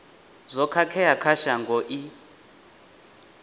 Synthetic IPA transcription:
zɔkʰakʰɛjakʰaʃaŋɡʱɔʔi

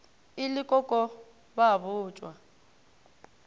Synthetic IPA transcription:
ilɪkʼɔkʼɔ | baβʊːt͡ʃʼwa

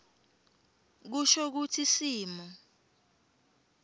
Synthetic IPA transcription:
k̬uʃɔk̬utʰisiːmɔ

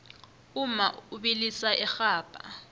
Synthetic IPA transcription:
uma̰uɓilisaʔɛxaːb̥ʱʼa̰

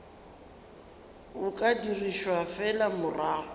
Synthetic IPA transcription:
ʊkʼadiriʃwafɛlamʊraːhɔ

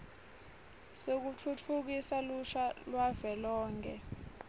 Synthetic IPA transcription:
sek̬ut͡fʰut͡fʰuk̬isaluʃalwavɛlɔːŋkʰʼɛ̰

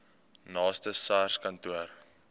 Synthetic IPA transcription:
nɑːstəsɑːrskɐntuər

